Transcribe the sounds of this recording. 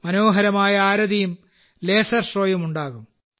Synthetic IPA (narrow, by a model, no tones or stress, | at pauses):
mɐno̞ːɦɐɾɐmaːjɐaːɾɐðijum | leːsɐrʂroːjɐmuɳɖaːɣum